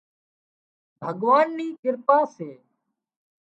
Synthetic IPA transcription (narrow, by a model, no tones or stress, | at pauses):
bʱəɠʋaːnːiːkɪɾpaːseː